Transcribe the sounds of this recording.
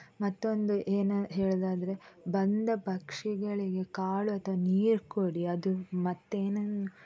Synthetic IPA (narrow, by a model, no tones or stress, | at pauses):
mɐt̪ːo̞nd̪uʔeːnuɦe̞ːɭd̪aːd̪ɐɾe̞bɐnd̪ɐpɐkʂiɡɐɭiɡe̞kaːɭuɐt̪ʋɐniːɾkoɽiɐd̪umɐt̪ːeːnɐnu